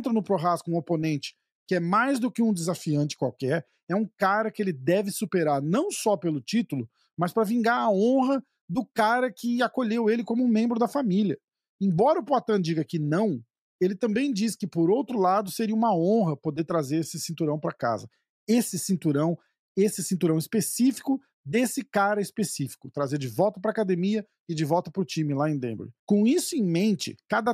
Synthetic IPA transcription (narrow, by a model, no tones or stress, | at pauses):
nt̪ɾɐnʊpɾoɦaskʊũoponẽnt͡ʃɪ̥ | kɪɛmajzd̪ʊkɪũd͡ʒ̪ɪzafiɐ̃nt͡ʃɪ̥kwawkɛɾ | ɛũkaɾɐkɪelɪd̪ɛvɪsupeɾaɾnɐ̃w̃sɔpelʊt͡ʃit̪ʊlʊ | mɐspɾɐvĩŋɡaɾɐõɦɐ | d̪ʊkaɾɐkɪakoʎewelɪkõmʊũmẽmbɾʊd̪ɐfamiljɐ | ẽbɔɾɐʊpoat̪ɐ̃d͡ʒiɡɐkɪnɐ̃w̃ | elɪt̪ɐ̃mbẽj̃d͡ʒiskɪpoɾowt̪ɾʊlad̪ʊseɾiɐũmɐõɦɐpod̪eɾt̪ɾazeɾesɪsĩnt̪uɾɐ̃w̃pɾɐka̰zɐ̰ | esɪsĩnt̪uɾɐ̃w̃ | esɪsĩnt̪uɾɐ̃w̃ɪspesifi̥kʊ | d̪esɪkaɾɐɪspesifi̥kʊt̪ɾazeɾd͡ʒɪvɔwt̪ɐpɾɐaːkad̪emiɐ | ɪd͡ʒɪvɔwt̪ɐpɾʊt͡ʃĩmɪlaẽj̃d̪ḛ̃mb̰ɾkõw̃isʊẽj̃mẽnt͡ʃɪ̰kad̪ɐ